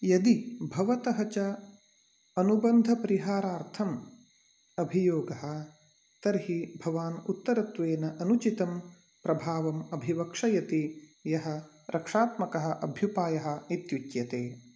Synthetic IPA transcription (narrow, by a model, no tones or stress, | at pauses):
jɐd̪ibʱɐʋɐt̪ɐɦɐt͡ʃɐ | ɐnubɐnd̪ʱɐpɐɾiɦaːɾaːɾt̪ʰɐm | ɐbʱijoːɡɐɦɐ̆ | t̪ɐɾɦibʱɐʋaːnut̪ːɐɾɐt̪ʋeːnɐʔɐnut͡ʃit̪ɐm | pɾɐbʱaːʋɐmɐbʱiʋɐkʂɐjɐt̪ijɐɦɐ̆ | ɾʔɐkʂaːt̪mɐkɐɦɐ̆ʔɐbʱjupaːjɐɦɐ̆it̪jut͡ʃjɐt̪eː